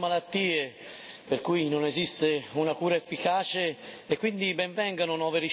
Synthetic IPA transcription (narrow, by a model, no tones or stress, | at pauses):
malat̪ːiːeperkujnonezist̪eunakuːɾaefːikaːt͡ʃeekːwind̪ibɛɱvɛŋɡanʊnɔːveɾi